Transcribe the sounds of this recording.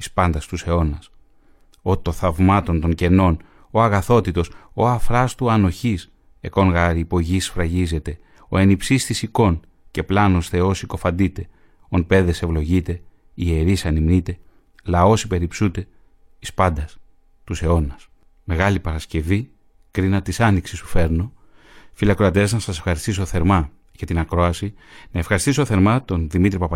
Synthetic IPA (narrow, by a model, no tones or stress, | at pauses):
ispɐnd̪ɐst̪use̞o̞nɐs | o̞t̪o̞θɐvmɐt̪o̞nt̪o̞ɲce̞no̞n | oɐɣɐθo̞t̪it̪o̞so̞ɐfɾɐst̪uɐno̞çis | e̞ko̞ŋɣɐɾiːpo̞ʝisfɾɐʝize̞t̪e̞ | o̞̰e̞nipsist̪isiko̞n | ce̞plɐnost̪e̞o̞siko̞fɐnd̪it̪e̞ | onpe̞ðe̞se̞vlo̞ʝit̪e̞ | ieɾisɐnimnit̪e̞ | lɐo̞sipe̞ɾipsut̪e̞ | t̪i̥spɐnd̪ɐs | t̪use̞o̞nɐs | me̞ɣɐlipɐɾɐsce̞vi | kɾinɐt̪isɐniksist̪u̥fe̞ɾno̞ | filɐkɾoɐt̪eznɐsɐse̞fxɐɾist̪is̬oθe̞ɾmɐ | ʝɐt̪inɐkɾo̞ɐsinɐe̞fxɐɾist̪isoθe̞ɾmɐt̪o̞nðimit̪ɾipɐpɐ